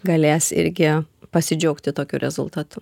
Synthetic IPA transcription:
ɡɐlʲeːsɪ̰ɾʲɡʲɪpɐsʲɪd͡ʒʲɛʊkt̪ʲɪt̪oːkʲṵːɾʲɛ̰zʊ̰lˠt̪ɑːt̪ʊ

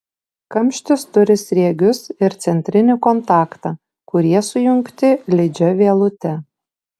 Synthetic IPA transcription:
kɐmʲʃʲt̪ʲɪst̪ʊɾʲɪsʲɾʲiɛɡʲʊsɪɾt̪sʲɛnʲt̪ʲɾʲɪnʲɪkɔnt̪ɑːkt̪ɑː | kʊɾʲiɛsʊjʊŋkt̪ʲɪlʲɪd͡ʒʲɛʋʲiɛlˠʊt̪ʲɛ

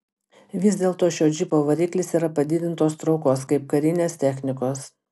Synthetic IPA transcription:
ʋʲɪzʲd̪ʲeːlˠt̪oːʃʲoːd͡ʒʲɪpoːʋɐɾʲiːklʲɪsiːɾɐpɐd̪ʲɪd̪ʲɪnt̪oːst̪ɾɒʊkoːskɐɪp̚kɐɾʲɪnʲeːst̪ʲɛxʲnʲɪkoːs

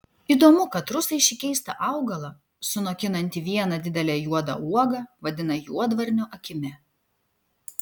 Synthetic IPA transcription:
iːd̪oːmʊkɐt̪ɾʊsɐɪʃʲɪkʲɛɪst̪ɐʔɑˑʊɡɐlˠɐ | sʊnoːkʲɪnɐnʲt̪ʲiʋʲiɛnɐd̪ʲɪd̪ʲɛlʲɛːjuɔd̪ɐ̰uɔɡɐʋɐd̪ʲɪnɐjuɔd̪ʋɐɾʲnʲʊʔɐkʲɪmʲɛ

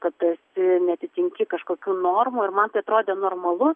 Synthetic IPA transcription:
kɐt̪ɐsʲɪnʲɛɐt̪ʲɪt̪ʲɪŋʲkʲɪkɐʃkoːkʲuːnoːrmuːɪrmɐnt̪ɐɪɐt̪ɾoːd̪ʲeːnoːrmɐlˠʊ

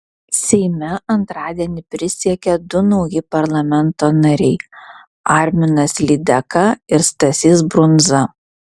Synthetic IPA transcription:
sʲɛɪmʲɛʔɐnt̪ɾɑːd̪ʲiɛnʲɪpʲɾʲɪsʲiɛkʲɛd̪ʊnɒʊjɪpɐɾlˠɐmʲɛnt̪oːnɐɾʲɛɪ | ɑˑɾʲmʲɪnɐslʲɪd̪ʲɛkɑɪɾst̪ɐsʲiːs̬bɾʊnzɐ

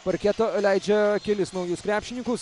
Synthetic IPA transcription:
pɐɾkʲɛt̪oːlʲæɪd͡ʒʲɛkʲɛlʲɪsnɐʊjʊskɾʲæːpʲʃʲɪnʲɪŋkʊs

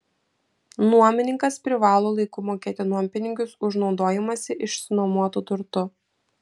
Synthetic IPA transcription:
nuɔmʲɪnʲɪŋkɐspʲɾʲɪʋɑːlˠoːlˠɐɪkʊmoːkʲeːt̪ʲɪnuɔmʲpʲɪnʲɪŋʲkʲʊsʊʒnɒʊd̪oːjɪmɐsʲɪʔɪʃsnɔmuɔt̪ut̪ʊɾt̪ʊ

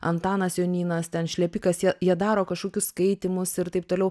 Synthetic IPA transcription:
ɐnt̪ɑːnɐsjoːnʲiːnɐst̪ʲɛnʃʲlʲɛpʲɪkɐsjiɛjiɛd̪ɑːɾoːkɐʃkoːkʲʊsskɐɪt̪ʲimʊsɪɾt̪ɐɪp̚t̪oːlʲɛʊ

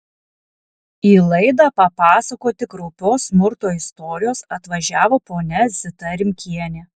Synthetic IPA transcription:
iːlˠɐɪd̪ɑpɐpɑːsɐkoːt̪ʲɪkɾɔʊpʲoːsʲmʊɾt̪oːɪst̪ɔːɾʲɪjoːsɐt̪ʋɐʒʲæːʋoːpoːnʲɛzʲɪt̪ɐɾʲɪmʲkʲʰiɛnʲeː

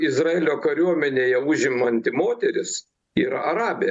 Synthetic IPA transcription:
ɪzrɐeːlʲoːkɐɾʲuɔmʲɛnʲeːjɛʊʒʲɪmɐnʲt̪ʲɪmoːt̪ʲɛɾʲɪs | iːɾɐɐɾɑːbʲe

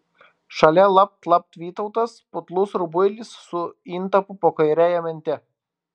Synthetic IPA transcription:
ʃɐlʲɛlˠɐp̚t̪lˠɐp̚t̪ʋʲiːt̪ɐʊt̪ɐspʊt̪lˠʊsɾʊbʊɪlʲɪsːʊint̪ɐpʊpoːkɐɪɾʲæːjɛmʲɛnʲt̪ʲɛ

